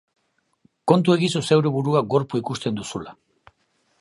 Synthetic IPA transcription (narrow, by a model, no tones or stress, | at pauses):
ko̞nt̪ue̞ɣisuse̞wɾeβuɾuaɡo̞ɾpuikust̪e̞nd̪usula